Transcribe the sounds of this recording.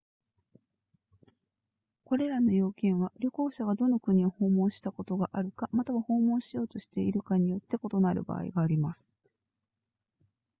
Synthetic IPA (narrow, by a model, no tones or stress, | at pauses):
ko̞ɾe̞ɾano̞jo̞ːkẽ̞ɰ̃βaɾʲo̞ko̞ːɕaɡad̪o̞nokɯ̟ɲ̟io̞ho̞ːmõ̞ɰ̃ɕi̥t̪ako̞t̪o̞ɡaʔaɾɯ̟kamat̪aβaho̞ːmõ̞ɰ̃ɕijo̞ːt̪o̞ɕi̥t̪e̞iɾɯ̟kaɲ̟ijo̞t̪ːe̞ko̞t̪o̞naɾɯ̟̰ba̰ːḭɡaːɾʲimasɨ̥